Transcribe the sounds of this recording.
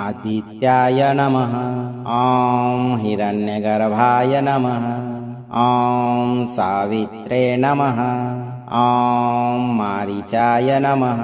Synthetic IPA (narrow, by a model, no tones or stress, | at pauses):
ɐd̪ʱit̪jaːjɐnɐmɐɦɐaːmɦiɾɐnjɐɡɐɾɐbʱaːjɐnɐmɐɦɐ | aːmsaːʋit̪ɾeːnɐmɐɦɐ | aːmːaːɾit͡ʃaːjɐnɐmɐɦɐ